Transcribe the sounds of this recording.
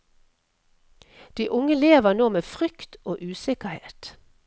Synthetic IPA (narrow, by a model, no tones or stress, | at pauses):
d̪̥iːʔʊŋəleːʋənoːmeːfʁʏkt̪oːʔʉːsɪkəhḛːt̪